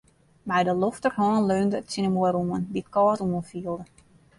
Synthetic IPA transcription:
mɛjdəloftərhɔːnløːndəətsinəmojɾuənbit̚kɔːtuənfiəlˠdə

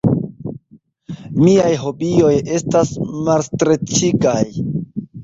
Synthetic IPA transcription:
miajɦo̞bio̞je̞stasmalstɾet͡ʃiɡaj

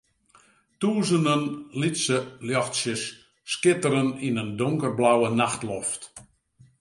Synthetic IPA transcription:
tuːzəndənlitsəljɔxtsjəsː | kɪtəɾəninəndʊŋkərblawənaxtlɔft

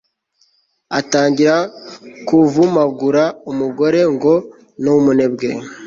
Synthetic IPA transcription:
ataːɲɟiɾakuvumaɡuɾaumuɡo̞ɾe̞ŋɡo̞ | nomune̞bɡe

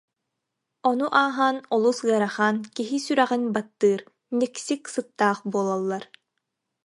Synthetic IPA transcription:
ɔnuʔaːɦaːnɔlˠusɯɐɾaχaːnkiɦisyɾɛʁinbat̪ːɯːɾ | nɛksiksɯt̪ːaːχbuɔlˠɔlˠːaɾ

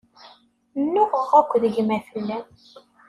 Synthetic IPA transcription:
nːʊʁəʁækʷːðəʝmæθəlːæ

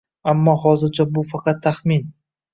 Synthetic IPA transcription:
amːɒhɒzɪɾt͡ʃʰabʊfɑqʰɑt̪ʰːaχmin

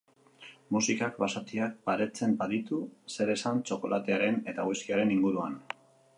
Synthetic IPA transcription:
musikakbasat̪iak̚baɾe̞t͡se̞mbaðit̪use̞ɾe̞sant͡ʃo̞ko̞lat̪e̞aɾe̞ne̞t̪aɣujskiaɾe̞niŋɡuɾuan

